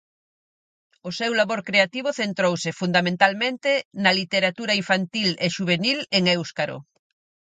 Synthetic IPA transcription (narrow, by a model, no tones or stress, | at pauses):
ʊsewlaβoɾkɾeat̪iβ̞ʊθent̪ɾowsɪfund̪amẽnt̪almẽnt̪enɐlit̪eɾat̪uɾaiɱfant̪ileʃuβ̞enileŋewskaɾo̰